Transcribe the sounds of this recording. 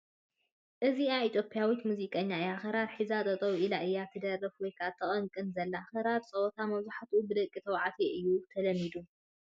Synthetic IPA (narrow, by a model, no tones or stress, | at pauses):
ʔɨziait̪ʰjopʰʼijawit̪muzikʼɐɲːaɨjaxɨɾaɾħizat̪ʼɐt̪ʼɐwilaʔɨjːat̪ʰɨd̪ɐrːɐfwɔjkʰat̪ʰːɐχʼɐŋkʼɨnzɐlːaxɐɾaɾsʼɐwɔt̪ʰamɐβzuħat̪ʔubɨd̪ɐkʼːit̪ʰɐwʕat̪ʰeʔɨjːut̪ʰɐlɐmːid̪u